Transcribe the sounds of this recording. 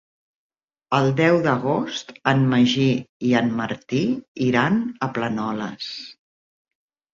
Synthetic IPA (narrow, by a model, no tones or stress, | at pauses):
əlˠd̪ɛwðəɣ̞ost̪əmməʒiiəmməɾt̪iiɾanəplənɔlə̰s